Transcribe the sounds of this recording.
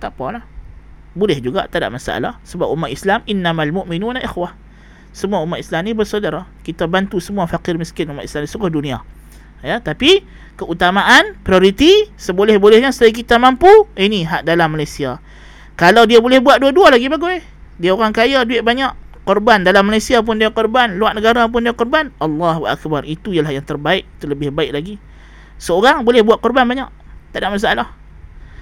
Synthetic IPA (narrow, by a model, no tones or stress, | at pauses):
t̪aʔpalah | bolɛhd͡ʒuɡa̰ʔt̪ada̰ʔmasaʔa̰la̰hsəbap̚ʔumaʔ̪islamʔinːamalmuʔminunalʔixwah | səmuaumːat̪islamnibərsawdaɾakit̪abant̪usəmuafakɪrmiskɪnumat̪i̥slamnisuɡahdunĩa̰ | jat̪api | kəʔut̪amaʔanpɾioɾit̪isəbolɛhbolɛhɲanst̪ajak̬it̪amampuiniɦaʔdalamːalajsia | kalawdiabolɛhbuat̪ʔ̪̚duadualaɡibaɡuj | diaoɾaŋkajaduɪʔ̚baɲaʔ | kɔrbandalamːalajsiap̬ʊndiakɔrbanluaʔnəɡaɾap̬ʊndiakɔrbanʔɑlːɑɦuʔa̰k̚barit̪ujalahjaŋt̪ərbaɪʔ̚t̪uləbɪhbaɪʔ̚laɡi | səoɾaŋbolɛhbuat̪̚kɔrbanbaɲa̰ʔ | t̪adaʔmas̬aalah